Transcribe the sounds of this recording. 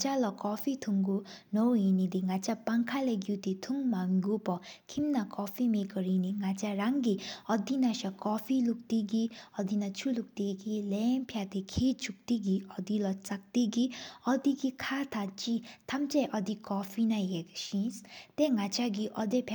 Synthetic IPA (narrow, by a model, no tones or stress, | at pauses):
t͡ʃalɔkɔpʰit̪ʰuŋɡunɔwɦinid̪iŋat͡ʃapaŋkʰaleɡuwt̪it̪ʰuŋmaŋɡupɔkʰimnakɔfʰimeɡɔɾiniŋat͡ʃaɾaŋɡiʌd̪inaʃakɔpʰiluk̚t̪iɡiʌd̪inat͡ʃʰuluk̚t̪iɡilenpʰjat̪ekʰet͡ʃuk̚t̪iɡiʌd̪ilɔt͡sak̚t̪iɡiɔd̪iɡikʰat̪ʰat͡ʃit̪ʰamt͡ʃajʔʌd̪ikɔpʰinajeɡʃĩnst̪eŋat͡ʃaɡiʔʌd̪epʰja